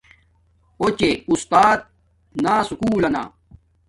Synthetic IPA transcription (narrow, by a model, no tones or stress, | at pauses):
ot͡ɕeust̪aːt̪̚ | naːsukuːlɐna̰ː